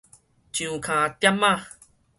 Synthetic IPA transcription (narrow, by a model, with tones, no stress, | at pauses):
t͡ɕũ˨kʰã˨t̪ja˦˥ma˦˨